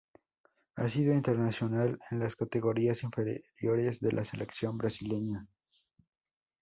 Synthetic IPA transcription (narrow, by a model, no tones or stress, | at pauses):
asiðoint̪e̞ɾnasjo̞nalenlaskat̪e̞ɣo̞ɾiasiɱfeɾɾjo̞ɾe̞zðelʔase̞lʔeksjo̞mbɾasile̞ɲa